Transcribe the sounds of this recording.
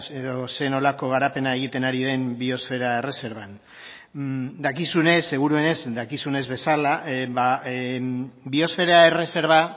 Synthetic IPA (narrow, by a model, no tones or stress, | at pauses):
eðo̞se̞no̞lako̞ɣ̞aɾape̞nae̞ɣ̞it̪e̞naɾiðe̞mbio̞sfe̞ɾae̞re̞se̞ɾβan | d̪akisune̞sːe̞ɣ̞uɾue̞ne̞zd̪akisune̞zβe̞salaβa | bio̞sfe̞ɾae̞re̞se̞ɾβa